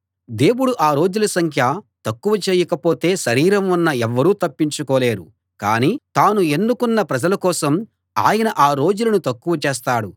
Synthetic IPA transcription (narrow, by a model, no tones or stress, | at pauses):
d̪e̞ːwuɽuʔaːɾo̞ːd͡ʒulɐsɐŋkʰjɐt̪ɐkːuʋɐt͡ʃeːjɐkɐpo̞ːt̪e̞ːʃɐɾiːɾɐmunːɐɛʋːɐɾuːt̪ɐpːiɲt͡ʃukɔːle̞ːɾṵ | ka̰ːniːt̪aːnue̞nːukunːɐpɾɐd͡ʒɐlɐkɔːsɐm | a̰ːjɐnɐʔaːɾo̞ːd͡ʒulɐnut̪ɐkːuʋɐt͡ʃeːs̬t̪aːɽu